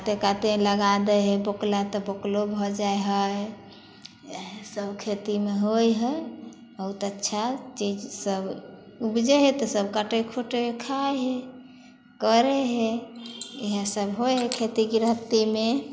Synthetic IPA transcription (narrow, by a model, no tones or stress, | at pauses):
at̪ekat̪eləɡad̪əɦeboklat̪ɔboklobʱɔd͡ʒaeɦə | səbkʰet̪imeɦojɦə | bəɦut̪ətːʃʰat͡ʃid͡ʒsəb | ubd͡ʒəɦet̪ɔsəbkaʈekʰoʈekʰaɦe | kəɾeɦe | eɦesəbɦojɦekʰet̪iɡiɾəpt̪ime